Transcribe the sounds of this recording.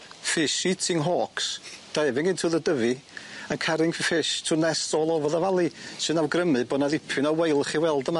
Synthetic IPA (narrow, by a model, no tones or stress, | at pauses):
fɪʃitʰɪŋɦɔːksd̥aɛvɪŋɡɪntʰuːðədəvɨənkʰaɾɪŋfɪʃtʰunɛstɔlˠɔvɔðavalˠisɨnawɡrəmɨbɔːdnaðɪpʰɨnɔwejlˠəχiwɛlˠdəma